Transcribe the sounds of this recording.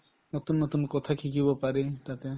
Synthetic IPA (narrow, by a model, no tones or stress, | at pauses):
nɔt̪unːɔt̪unkɔt̪ʰakʰikibɔpaɾet̪at̪e